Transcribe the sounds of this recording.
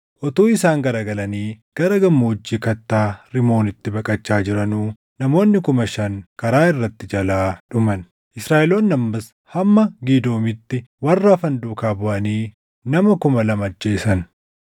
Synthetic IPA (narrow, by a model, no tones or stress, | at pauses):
ʔɔt̪uːɪsaːŋɡɐɾaːɡɐlɐniːɡ̥ɐɾɐɡɐmːoʊd͡ʒːiːkɐt̪ːaːɾɪmo̞ːnɪt̪ːɪbɐkʼɐt͡ʃːaːd͡ʒɪɾɐnuː | nɐmo̞ːnːɪkʊmɐʃɐŋkɐɾaːɪrːɐt̪ːɪd͡ʒɐlaːᶑʊmɐn | ʔɪsɾaːʔɛloːnːɐmːɐs | hɐmːɐɡiːd̪o̞ːmɪt̪ːɪwɐrːafɐnd̪uːkaːbʊʔɐniː | nɐmɐkʊmɐlɐmɐd͡ʒːe̞ːsɐn